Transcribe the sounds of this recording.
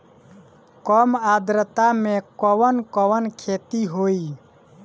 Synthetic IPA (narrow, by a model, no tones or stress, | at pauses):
kɔmad̪ɾət̪amekɔwənkɔwənkʰet̪iɦoi